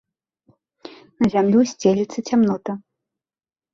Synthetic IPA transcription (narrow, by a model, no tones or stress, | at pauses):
nɐzʲamlʲusʲt͡sʲelʲit̪sɐt͡sʲamnɔt̪ɐ